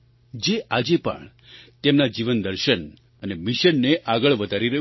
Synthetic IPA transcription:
d͡ʒeʔad͡ʒepə̰ɳ | t̪emnad͡ʒiʋənd̪əɾʃən | ənemiʃənːeʔaɡəɭʋəd̪ʱaɾiɾəɦ

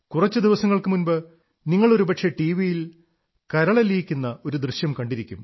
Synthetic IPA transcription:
kurɐt͡ɕːɨd̪iʋɐsɐŋːɐɭkɨmunbɨ | niŋːɐɭo̞ɾupɐʈʂe̞ʈiʋijil | kɐɾɐɭɐlijkʲːunːɐo̞ɾud̪rɨɕjɐmkɐɳɖiɾikʲːum

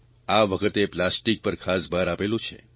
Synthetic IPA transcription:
aʋəkʰət̪eplasʈik̚pəɾkʰasbʱaɾapelũt͡ʃʰḛ

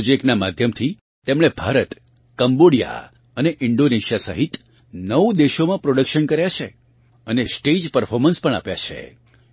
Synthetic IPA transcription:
d͡ʒeknamad̪ʱjəmt̪ʰi | t̪emɽ̃ebʱaɾət̪ | kəmboɽija̰ | əneʔɪɳɖoneʃijasə̰ɦit̪ | nəʋd̪eʃomãpɾoɽəkʃənkəɾjat͡ʃʰe | ənesʈed͡ʒpəɾfʰoɾmənspəɳa̰pja̰t͡ʃʰḛ

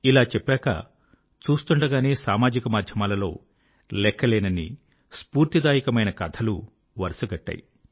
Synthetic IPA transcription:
ilaːt͡ʃɛpːɛːkɐ̰ | t͡ʃuːst̪uɳɖɐɡaːneːsaːmaːd͡ʒikɐmaːd̪ʱjɐmaːlɐlo̞ː | lɛkʰːɐleːnɐnḭ | spuːɾt̪id̪aːjikɐmɐjnɐkɐt̪ʰɐlu | ʋɐɾsɐɡɐʈːa̰ːji

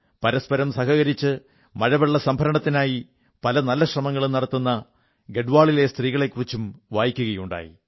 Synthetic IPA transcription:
pɐɾɐspɐɾɐmsɐhɐɣɐɾit͡ɕːɨ | mɐɻɐʋɐɭːɐsɐmbʱɐɾɐɳɐt̪ːinaːji | pɐlɐnɐlːɐɕrɐmɐŋːɐɭumnɐɽɐt̪ːunːɐ | ɡe̞ɖʋaːɭile̞st̪riːɣɐɭe̞kːurit͡ɕːumʋaːjikʲːuɣɐjuɳɖa̰ːjḭ

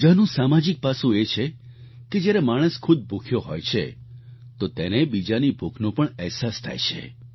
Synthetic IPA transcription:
d͡ʒanũsamad͡ʒik̚pasũet͡ʃʰe | ked͡ʒjaɾemaɽ̃əskʰud̪̚bʱukʰjoɦɔjt͡ʃʰḛ | t̪ot̪enebid͡ʒanibʱukʰnũpəɳɛɦsast̪ʰa̰jt͡ʃʰḛ

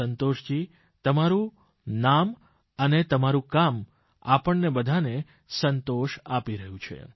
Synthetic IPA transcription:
ənt̪oʃd͡ʒi | t̪əmaɾũ | nam | ənet̪əmaɾũkam | apəɳnebəd̪ʱane | sənt̪oʃapiɾəɦũt͡ʃʰḛ

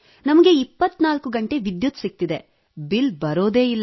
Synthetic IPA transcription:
nɐmɐɡe̞ipːɐt̪ːnaːlkuɡɐɳʈe̞ʋid̪jut̪sik̚t̪id̪e | bilbɐɾo̞ːd̪eːilː

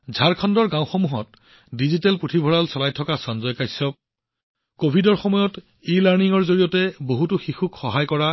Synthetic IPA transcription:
zʱaɹkʰɔndɔɹɡãwxɔmuɦɔ̰t̚ | dizitɛlpɹutʰibʱɔɹalsɔlajtʰɔkasɔnzɔjkajsɔp̚ | kobʱidɔɹxɔmɔjɔt | elaɹniŋɔɹzoɹijɔtɛboɦutʊxixukxɔɦajkɔɹa

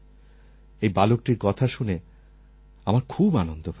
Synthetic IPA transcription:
ejbalok̚ʈiɾkɔt̪ʰaʃune | amaɾkʰubanond̪op

